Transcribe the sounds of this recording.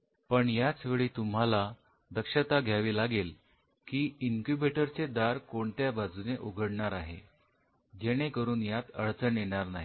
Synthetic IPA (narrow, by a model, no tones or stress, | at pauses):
pəɳjat͡sʋeɭiːt̪um̤ɦala | d̪əkʂət̪aɡʱjaʋiːlaɡel | kiːiŋkubeʈəɾt͡sed̪aɾkoɳt̪jabad͡zuneʔuɡʱəɽɳaɾaɦḛ | d͡ʑeɽ̃ekəɾuːnjat̪əɭt͡səɳjeɽ̃aɾnaɦi